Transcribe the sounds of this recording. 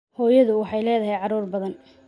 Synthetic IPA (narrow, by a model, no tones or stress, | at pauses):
hɔːjɐðʊwɑħɑjlɛːðɐɦɛjʕɑɾuːrbɐðɐn